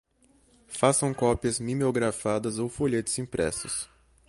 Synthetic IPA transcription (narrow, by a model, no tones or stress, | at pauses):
fasɐ̃w̃kɔpiɐzmimeoɡɾafad̪ɐzowfoʎet̪ɪz̥ĩpɾɛ̰sʊs